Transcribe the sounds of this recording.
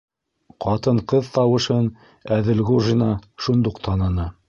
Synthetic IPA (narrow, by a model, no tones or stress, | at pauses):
qʰɑt̪ɤɴqɤðt̪ɑwɤ̆ʃɤn | æðɘ̆lɡuʒinɑʃund̪uqt̪ʰɑnɤ̆nɤ